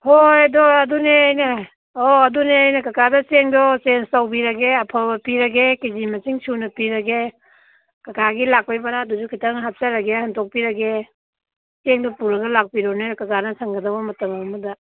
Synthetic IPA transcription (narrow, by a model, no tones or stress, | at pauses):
hojdɔɐduneːjne | oɐduneajnekɐkadɐt͡ʃeŋdɔt͡ʃenstawbiɾɐɡeɐpʰabɐpiɾɐɡekizimɐt͡ʃiŋt͡ʃʰunɐpiɾɐɡe | kɐkʰaɡilak̚pajbɐnadud͡ʒukʰitɐŋɦap̚t͡ʃɐɾɐɡehɐntɔk̚piɾɐɡe | t͡ʃeŋdɔpuɾɐɡɐlak̚piɾɔnekɐkanɐsʰɐŋɡɐdɐbɐmɐtɐmɐmudɐ